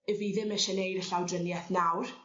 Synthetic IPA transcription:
əviðɪmɛʃɛnejɾəɬawdrənjɛθnawr

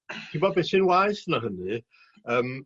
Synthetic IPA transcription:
tʰɪmbɔbesɨnwajsnaɦənɨ | əːm

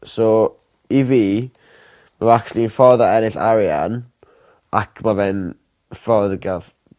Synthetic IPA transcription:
sɔ | iviː | mavaklˠinfɔðaɛnɪɬa̰ɾja̰n | akʰmavɛn | fɔðɡað

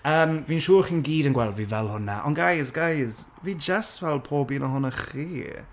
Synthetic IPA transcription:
əːmviːnʃuːrχiːnɡiːdənɡwɛlˠvivɛlˠhʊnaʔɔ̰nɡajsɡajz | viːd͡ʒasvɛlˠpʰoːbinəhʊnəχiː

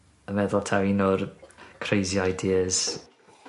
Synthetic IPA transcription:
əmɛðɔlˠtʰaɾinɔrkʰrejziajdiəz̥

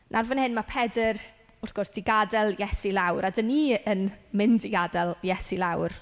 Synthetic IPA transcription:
nʔarvənhɪnmapʰɛdɪr | ʊrθɡ̥ɔrsd̥ɪɡadɛlˠjɛsilˠawɾadəniənmɪndɪɡadɛlˠjɛsilˠawr

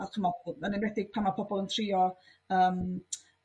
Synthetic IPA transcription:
akʰəmɔlˠmanɪnwɛθɪɡ̥̚pʰamapʰɔbɔlˠəntʰrɪɔ | əːm

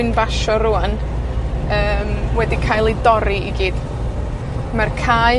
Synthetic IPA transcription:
ɪnbaʃɔɾʊan | əːmwɛdikʰajlˠedɔɾiiɡiːd̥ | markʰaːj

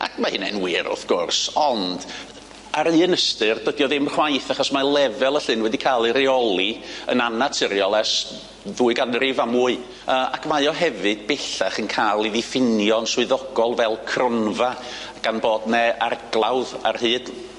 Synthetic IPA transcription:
a̰kʰmahɨnɛ̰nwiːɾʔɔ̰vɡ̥ʊrsɔnd̥ | aɾɨːənəstɨrd̥wədjɔðɪmχwajθaχɔsmalˠɛvɛlˠəɬɨnwɛdikʰaːlˠɨɾiɔlˠiə̰nanatʰəɾjɔlˠɛs | ðuːɨɡanrivamuːɨ | əːʔakʰmajɔɦɛvɨd̥̚bɛɬaχənkʰaːlˠiðifɪnjɔnswɨðɔɡɔlˠvɛlˠkʰrɔnva | ɡ̥anbɔːdnɛa̰rɡ̥lˠawða̰rhɨːd̥

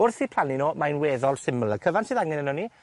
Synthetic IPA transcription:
ʊrθiːpʰlˠaninomajnweːðɔlˠsɪmlˠəkʰəvansiːðaŋɛnənɔni

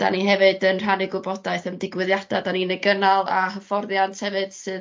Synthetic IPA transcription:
d̥a̰niɦɛvɨdənr̥anɪɡwɨbɔdaɨθəmdɪɡwɨðjad̥adaninɛɡənalˠa̰ɦəfɔrðjantʰhɛvɨd̥sɨð

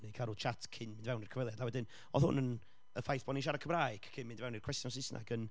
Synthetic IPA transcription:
nejkʰaɾʊt͡ʃʰatʰkʰɪnmɪndvɛwnirkʰəvɛlˠjadawɛdɪn | ɔθhʊ̰nən | əfajθb̥ɔniʃ̬aɾakʰəmɾaːjɡ̥ʰkʰɪnmɪndvɛwnirkʰwɛstjɔns̬ɪsnʔa̰ɡən

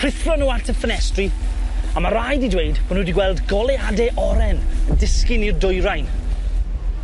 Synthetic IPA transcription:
rɪθrɔnuːantʰəfənɛstriamaɾajdidwejdb̥ɔnudiɡwɛlˠdɡɔlˠɛadɛʔɔɾɛnəndɪskɪnirdʊjɾajn

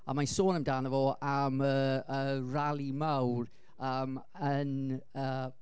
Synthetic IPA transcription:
a̰masoːnəmdaːnəvɔaməəralˠimawr | əːm | ənə

